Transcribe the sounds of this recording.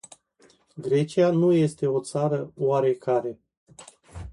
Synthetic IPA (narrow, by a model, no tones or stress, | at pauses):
ɡɾe̞t͡ʃianuje̞st̪e̞o̞t̪saɾəwaɾe̞kaɾe̞